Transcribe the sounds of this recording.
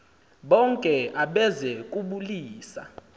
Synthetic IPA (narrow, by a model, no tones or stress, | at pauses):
ɓɔŋkʼɛaɓɛzɛkʼuɓuliːsa̰